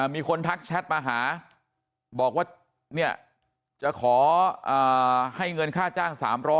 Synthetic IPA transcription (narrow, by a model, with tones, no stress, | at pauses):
a˨˩miː˧kʰo˧nt̪ʰa˦˥k̚t͡ɕʰɛ˦˥t̪̚maː˧ɦaː˩˦ | bɔː˨˩k̚waː˥˩ | ni˥˩ɐə | t͡ɕa˨˩kʰɔː˩˦ʔaː˨˩ha˥˩jŋɤ˧nkʰaː˥˩t͡ɕaː˥˩ŋsa̰ː˩˦mɾɔː˦˥